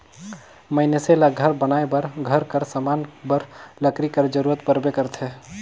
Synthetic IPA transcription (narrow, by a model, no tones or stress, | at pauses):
məɪneselaɡʱəɾbənaebəɾɡʱəɾkəɾsəmanbəɾləkɾikəɾd͡ʒəɾuɾət̪pəɾbekəɾt̪ʰɛ